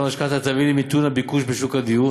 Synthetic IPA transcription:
maʃkat̪at̪avilimit̪unabikuʃbeʃukad̪iju

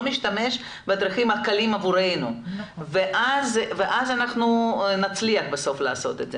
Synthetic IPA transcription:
miʃt̪ameʃ | bed̪ɾiχimalkalimavuɾejnuveʔazveʔazanaχnunat͡sliɐχbeso̞flaːso̞̰t̪ed̪ze

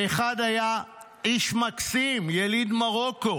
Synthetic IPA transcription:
eχad̪aja | iʃmaksimjelid̪maʁo̞ko̞

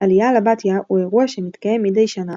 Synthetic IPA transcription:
alijalabat̪jaʔueʁuaʃemit̪kaje̞mːidejʃana

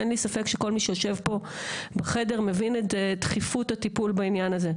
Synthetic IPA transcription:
enlisafe̞kʃeko̞lmiʃejoʃe̞vpo̞beχe̞de̞ʁme̞vinetetχifutatipulbainjanaze̞

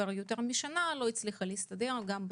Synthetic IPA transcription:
aʁjot̪e̞ʁmiʃanalo̞it͡sliχaleist̪ad̪e̞ʁɡamb

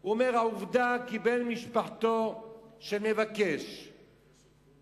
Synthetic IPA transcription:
uomeʁhauvd̪akibelmiʃpaħt̪o̞ʃenevakeʃ

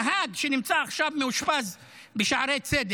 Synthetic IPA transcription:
ɦaɡʃenimt͡saːχʃavmeuʃpaz | beʃaʕɾejt͡sed̪

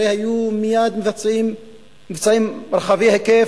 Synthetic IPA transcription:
ejhajumijad̪mevat͡simː | ivt͡saimɾχaviheke

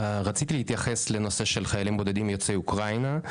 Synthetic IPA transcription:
ʁat͡sit̪ilehit̪jaχe̞sle̞no̞se̞ʃelχajalimbo̞d̪ed̪imjo̞t͡seukʁajna

